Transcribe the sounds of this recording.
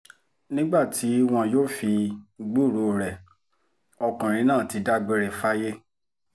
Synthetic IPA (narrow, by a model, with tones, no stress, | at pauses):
nĩ˦ɡ͡ba˦˨ti˨˦w̃ɔ̃˧joː˦˨fi˧ɡ͡bu˦˨ɾo˨˦˨ɾɛ˨ | ɔ˧kã˨ɾ̃ĩ˨˧˦nãː˦˨ti˨˧da˦ɡ͡be˧ɾɛ˨fa˦je˦